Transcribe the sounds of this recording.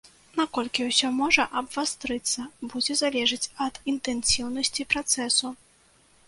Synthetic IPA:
nakɔlʲkʲiwsʲɔmɔʐɐʔɐbvast̪ɾɨt̪sːɐbud͡zʲɛzalʲɛʐɨt͡sʲɐd̪int̪ɛnsʲiwnɐsʲt͡sʲipɾat̪sɛsu

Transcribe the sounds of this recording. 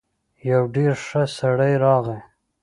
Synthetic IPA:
jawɖeɾʂasaɽajɾɑɣe

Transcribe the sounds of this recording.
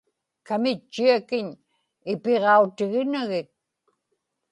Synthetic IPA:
kamɪt͡ʃːiakɪɲ | ɪpeʁɑut̪ɪɣɪnaɣɪt̪̚

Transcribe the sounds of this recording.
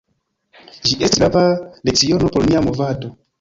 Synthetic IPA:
ʒiʔesti̥lavalek̚t͡sio̞nopoɾmiamovato

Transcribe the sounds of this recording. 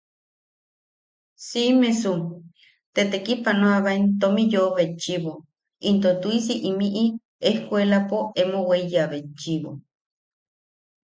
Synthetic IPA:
simesum | t̪et̪ekipanoaβaint̪omijoβet͡ʃiβo | int̪ot̪uisiʔimiʔi | ehkʷelapoemoweijaβet͡ʃiβo̰

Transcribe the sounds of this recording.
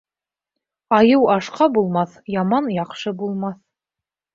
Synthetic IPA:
ɑjɤwɑʃqɑbulˠmɑθjɑmɑnjɑqʃɤbulˠmɑθ

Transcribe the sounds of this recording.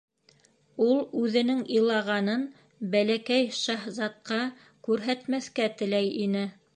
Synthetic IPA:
ulˠʉðɘ̆nɘŋɤ̆jlˠɑʁɑnɤn | bælækæjʃɑhzɑt̪̚qɑ | kʉɾɦæt̪mæθkæt̪ɘ̆læjinɘ

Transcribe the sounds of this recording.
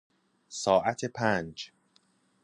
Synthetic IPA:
sɒːʔæt̪ʰepʰænd͡ʒ

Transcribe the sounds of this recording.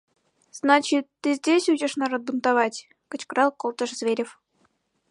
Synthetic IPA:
z̥nɑt͡ɕit̪ːɨzʲdʲesʲuʑĕʂnɑɾod̪̚bunt̪ɑvɑtʲ | kɤ̆t͡ɕkrɑlˠkolˠt̪ɤ̆ʂzvʲeɾʲef

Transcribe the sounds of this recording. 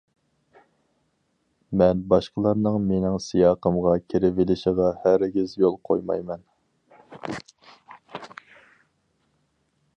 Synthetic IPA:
mɛnbɑʃqəlˠɑɾnɨŋmenɪŋsijɑːqəmʁɑkʲʰeɾɪvɪlɪʃɪʁɑhæɾɡʲizjolˠqʰojmɑ̰jmɛn

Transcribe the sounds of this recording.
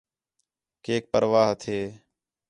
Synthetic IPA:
keːk̚pəɾʋaːɦt̪ʰeː

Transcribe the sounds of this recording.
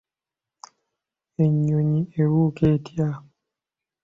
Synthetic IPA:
eɲoɲiewuketja

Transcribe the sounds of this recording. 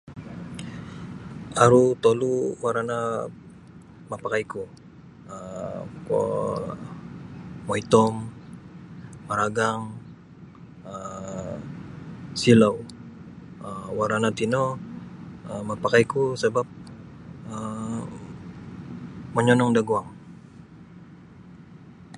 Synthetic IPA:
aɾut̪oluwaɾana | mapakajku | əkɔ̰ | moit̪ɔm | maɾaɡaŋ | ə | silaw | əwaɾanat̪ino | əmapakajkusəbap̚ | ə | məɲɔnɔŋdaɡuaŋ

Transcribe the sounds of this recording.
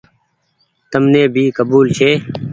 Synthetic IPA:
t̪əmneːbʱiːkəbuːlt͡ʃʰeː

